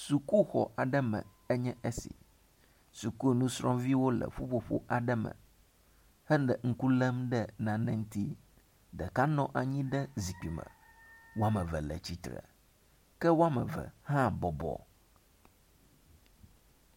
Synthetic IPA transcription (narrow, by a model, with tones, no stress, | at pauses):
su˨ku˦xɔ˨ʔa˨ɖɛ˦mɛ̰̃˨ | ɛ˦ɲɛ̃˦ʔe˦sḭ˨ | su˨ku˦e˨nũ˦sɾɔ̃˦vi˦wo˦lɛ̰˨ɸu˦ɸo˨ɸo̰˦ʔa˨ɖɛ˦mɛ̰̃˨ | hɛ˦nɖɛ˨ŋ̩˦ku˦lɛ˦mɖɛ˦nã˨nɛ̃˦ŋ̩˦t̪i˦ | ɖɛ˨ka˦nɔ̃˦ʔa˨ɲĩ˦ɖɛ˦zi˨k͡pi˨mɛ̰̃˨ | wo˦a˦mɛ˨vɛ˨lɛ̰˨t͡ɕi˦t̪ɾə̰˨ | kɛ˦wo˦a˦mɛ˨vɛ̰˨hã˦bɔ˨bɔ̰˨